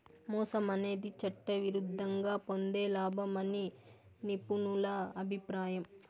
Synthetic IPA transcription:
mɔːsɐmɐne̞ːd̪it͡ʃɐʈːɐʋiɾud̪ʱːɐŋɡaːpo̞nd̪e̞ːlaːbʱɐmɐni | nipunulɐɐbʱipɾaːjɐm

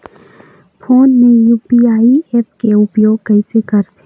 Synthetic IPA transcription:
pʰoːnmejuːpiaːieːp̚keʊpjoːɡkəisekəɾt̪ʰe

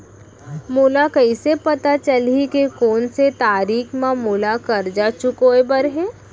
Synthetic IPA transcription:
mulakəɪsepɐt̪at͡ʃəlikekoːnset̪aːɾiːkʰmãmʊlakɐɾd͡ʒaːt͡ʃʊkoːebəɾɦɛː

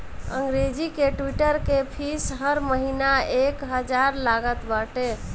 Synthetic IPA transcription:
ə̰ŋɡɾed͡ʒikeʈwiʈəɾkepʰisɦəɾməɦinaekɦəd͡ʒaɾlaɡət̪baʈe

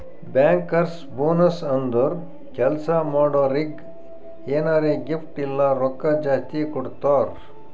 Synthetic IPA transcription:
baːŋkːɐɾs | boːnɐsɐnd̪uɾ | kʰɛlsaːmoːɖoɾiɡ | eːnaːɾeɡifʈilːaɾɔkːad͡ʒaːst̪ikɔɽt̪aːɾ

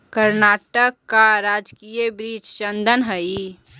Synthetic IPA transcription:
kəɾnaːʈəkːaɾaːd͡ʒkijəbɾiːt͡ʃt͡ʃənd̪ʱənɦəi

